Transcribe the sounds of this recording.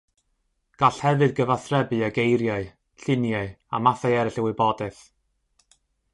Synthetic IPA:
ɡ̥aɬhɛvɨðɡəvaθrɛbɨaɡejɾjaɨ | ɬɪnjaɨa̰maθajɛɾɪɬɪwɨbɔdɛθ

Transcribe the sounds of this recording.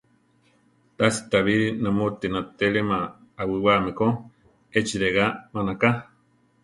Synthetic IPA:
t̪asi̥t̪aβiɾinamot̪inat̪eɺemaː | wiwamiko | et͡ʃiɾeɣamanaka

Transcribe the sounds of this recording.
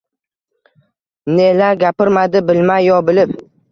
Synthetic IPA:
nelaɾɡʲapɪɾmad̪ɪbɪlmajːɒbɪlɪp̚

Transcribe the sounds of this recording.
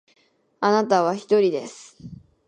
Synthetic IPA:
anat̪aβ̞açi̥t̪o̞ɾʲid̪e̞sɨ̥

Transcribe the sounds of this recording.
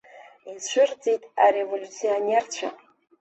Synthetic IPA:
iʃʷɨrd͡zʼitʼaɾevolʲut͡sʰionert͡ɕʷʰa̰

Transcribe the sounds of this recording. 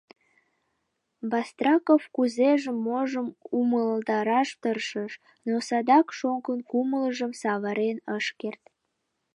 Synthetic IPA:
bɑst̪rɑkofkuzeʒəmːoʒəmuməld̪ɑɾɑʃt̪ərʃəʃ | nosɑd̪ɑkʃoŋkənkumələʒəmsɑβəɾenəʃkert̪

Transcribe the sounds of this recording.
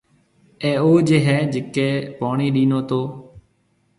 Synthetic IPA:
ẽːoːd͡ʒeɦɛːd͡ʒɪkeːpaːɳ̃iːɗiːnoːt̪oː

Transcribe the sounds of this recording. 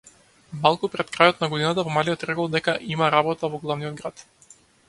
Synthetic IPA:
malˠkupɾɛt̪kɾajɔt̪naɡɔd̪inat̪avɔmalijɔt̪ɾɛkɔlˠd̪ɛkaʔimaɾabɔt̪avɔɡlˠavnijɔd̪ɡɾat̪

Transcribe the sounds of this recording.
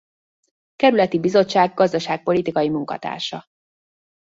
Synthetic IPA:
kɛɾylɛt̪ibizo̞t͡ʃːaːɡːɒzd̪ɒʃaːk̚po̞lit̪ikɒjimuŋkɒ̰t̪a̰ːrʃɒ

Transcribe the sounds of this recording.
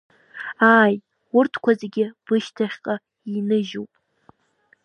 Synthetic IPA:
aːj | ʊrtʰkʷʰazeɡʲɪb̥ɨʃtʰaχʲqʼa | inɨʒupʼ

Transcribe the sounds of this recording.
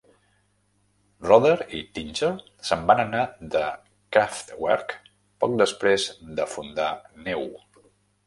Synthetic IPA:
rɔðəɾit̪inʲd͡ʒəl | səmbanənad̪ə | kaft̪wɛ̰ɾk | pɔk̚d̪əspɾezd̪əfund̪anɛw

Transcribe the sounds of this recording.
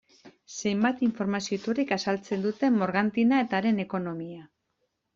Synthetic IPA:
se̞jmbat̪iɱfo̞ɾmasio̞it̪urikasalt͡se̞nd̪ut̪e̞mmːo̞ɾɣant̪inae̞t̪aːɾe̞ne̞ko̞no̞mia

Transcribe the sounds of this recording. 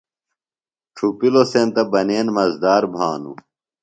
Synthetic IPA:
ʈ͡ʂʰupilosẽːnt̪ɐbɐneːnmɐzd̪aːɾbʱaːnṵ

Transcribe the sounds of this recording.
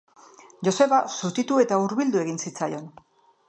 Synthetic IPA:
ʝo̞se̞βasut̪it̪ue̞t̪auɾβild̪ue̞ɣinsit͡sajo̞n

